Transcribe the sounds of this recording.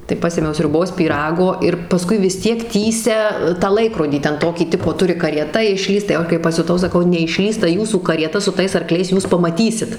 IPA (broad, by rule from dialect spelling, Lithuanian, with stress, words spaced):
tɐɪ ˈpɑːsʲeːmʲɛʊ sʲrʲʊˈboːs pʲiːˈrɑːɡoː ɪr pɐˈskʊɪ ʋʲɪs ˈtʲiɛk ˈtʲiːsʲɛ tɑː ˈlˠɐɪkroːdʲiː ˈtʲɛn ˈtoːkʲiː ˈtʲɪpoː ˈtʊrʲɪ kɐrʲiɛˈtɐ ɪʃʲˈlʲiːst tɐɪ jɛʊ ˈɐʃ kɐɪ pɐsʲʊˈtɐʊ sɐˈkɐʊ nʲɛɪʃʲˈlʲiːs tɐ ˈjuːsuː kɐrʲiɛˈtɐ sʊ ˈtɐɪs ɐrˈklʲɛɪs ˈjuːs pɐmɐˈtʲiːsʲɪt